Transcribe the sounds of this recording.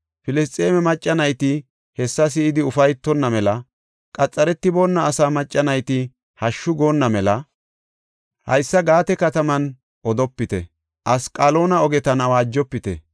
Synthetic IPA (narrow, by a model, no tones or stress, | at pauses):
fɪlɪs̬t̪ʼe̞ːmɛmɐt͡ʃʼːɐnɐjt̪ɪ | hɛsːɐs̬ɪɪd̪ɪʊfɐjt̪ːɔnːɐmɛlɐ | kʼɐt͡sʼːɐɾɛt̪ːɪbo̞ːnːɐːsaːmɐt͡ʃʼːɐnɐjt̪ɪ | hɐʃːʊɡoːnːɐmɛlɐ | hɐ̰jsːɐɡaːt̪ɛkɐt̪ɐmɐn | ʔɔd̪ɔpːɪt̪ɛ̰ | ʔɐskʼaːlo̞ːnɐɔɡɛt̪ɐnɐwaːd͡ʒːɔpːɪt̪ɛ̰